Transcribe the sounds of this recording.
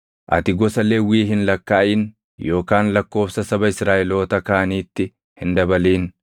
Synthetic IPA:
ʔɐ̰t̪ɪɡɔsɐleːwiːɦɪnlɐkːaːʔiːn | jo̞ːkaːnlɐkːo̞ːfsɐsɐbɐɪsɾaːʔɛlo̞ːt̪ɐkaːniːt̪ːɪ | hɪnd̪ɐbɐliːn

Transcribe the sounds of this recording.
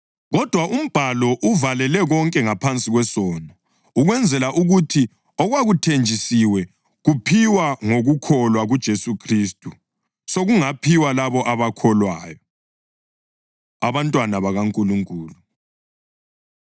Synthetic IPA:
ɣɔd̥ʱwaʔum̩b̥ʱalɔʔuvalɛlɛɣɔŋkʼɛŋapʰant͡sʼiɣwɛsɔnɔ | uɣwɛnd͡zʱɛlaʔuɣutʰi | ɔɣwaɣutʰend͡ʒʱisiwɛ | ɣupʰiwaŋoɣukʰɔlwaɣud̥ʒ̥ʱesukʰriːstʼu | soɣuŋapʰiwalaβɔʔaβakʰɔlwaːjɔ | aβantʼwanaβaɣaŋkʼuluŋkʼuːlu

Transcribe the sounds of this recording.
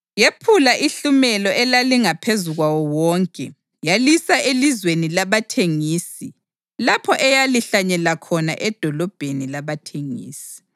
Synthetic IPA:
jepʰulaʔiɬumɛlɔʔɛlaliŋapʰezuɣwawɔwɔːŋkʼɛ | jalisaelizwenilaβatʰeŋiːsi | lapʰɔʔɛjaliɬaɲɛlakʰɔna̰ʔɛd̥ʱɔlɔb̥ʱenilaβatʰeŋḭːsi̥

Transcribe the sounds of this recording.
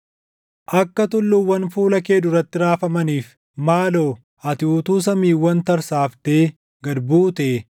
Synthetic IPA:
ʔɐkːɐt̪ʊlːʊwːɐnfuːlɐkeːd̪ʊɾɐt̪ːɪɾaːfɐmɐniːf | maːloː | ʔɐt̪ɪuːt̪uːs̬ɐmiːwːɐnt̪ɐɾsaːft̪eː | ɡɐd̪buːt̪eː

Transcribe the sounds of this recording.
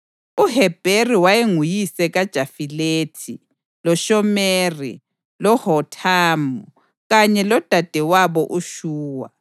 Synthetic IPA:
uhɛb̥ʱeriwajeŋujisɛɣad̥ʒ̥ʱafileːtʰi | lɔʃɔmerḭ | lɔhɔtʰaːmɔ | ɣaɲɛlɔd̥ʱad̥ʱɛwaβɔʔuʃuːwa̰

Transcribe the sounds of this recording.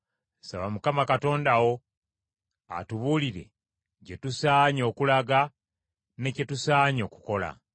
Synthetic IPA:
saβamukamakato̞ːndawo̞ | a̰tuβuːliɾe̞̰ | ɟetusaːɲo̞ːkulaɡa | ne̞cetusaːɲo̞ːku̥kola̰

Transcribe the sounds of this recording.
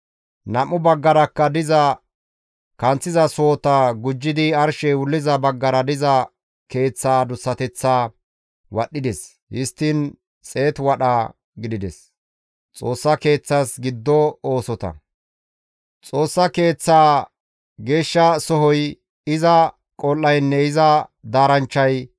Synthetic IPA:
nɐmʊbɐɡːɐɾɐkːɐd̪ɪzɐ | kɐnt͡sːɪzɐsoːt̪ɐɡʊd͡ʒːɪd̪ɪɐɾʃɛwʊlːɪzɐbɐɡːɐɾɐd̪ɪzɐ | ke̞ːt͡sːaːd̪ʊsːɐt̪ɛt͡sːaː | wɐɗːɪd̪ɛs | hɪst̪ːɪn | t͡sʼe̞ːt̪wɐɗaː | ɡɪd̪ɪd̪ɛs | t͡sʼo̞ːsːɐke̞ːt͡sːasɡɪd̪ːɔoːsɔt̪ɐ̰ | t͡sʼo̞ːsːɐke̞ːt͡sːaː | ɡe̞ːʃːɐsɔɦɔj | ɪzɐ | kʼɔlːɐjnːɛɪzɐd̪aːɾɐnt͡ʃːɐj

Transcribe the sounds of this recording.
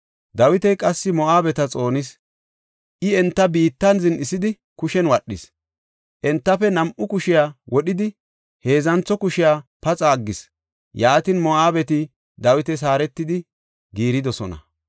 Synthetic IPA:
d̪ɐwɪt̪ɛjkʼɐsːɪmɔaːbɛt̪ɐt͡sʼo̞ːnɪs | ʔɪɛnt̪ːɐbiːt̪ːɐnzɪnɪsɪd̪ɪ | kʊʃɛnwɐɗːɪs | ʔɛnt̪ːɐfɛnɐmʔʊkʊʃɪjaːwʔɔɗɪd̪ɪ | he̞ːzɐnt͡sːɔkʊʃɪjaːpɐt͡sʼaːɡːɪs | jaːt̪ɪnmɔaːbɛt̪ɪ | d̪ɐwɪt̪ɛs̬aːɾɛt̪ːɪd̪ɪ | ɡiːɾɪd̪ɔsɔnɐ̰

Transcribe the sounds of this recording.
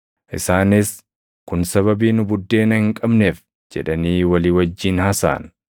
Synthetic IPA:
ʔɪsaːnɪs | kʊnsɐβɐbiːnʊbʊd̪ːe̞ːnɐhɪŋkʼɐbneːf | d͡ʒɛ̰ᶑɐniːwɐliːwɐd͡ʒːiːnhɐsa̰ːn

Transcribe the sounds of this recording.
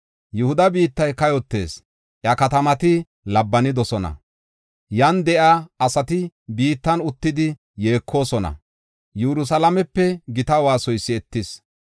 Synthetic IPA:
jɛhʊd̪ɐbiːt̪ːɐjkɐjɔt̪ːḛːs | ʔjɐkɐt̪ɐmɐt̪ɪ | lɐbːɐnɪd̪ɔsɔnɐ̰ | jɐnd̪ɛʔaɐsɐt̪ɪbiːt̪ːɐnʊt̪ːɪd̪ɪ | je̞ːkʰːo̞ːsɔnɐ̰ | jɛɾʊs̬ɐlɐmɛpːɛɡɪt̪ɐwaːsɔjsːɪɛt̪ːɪs

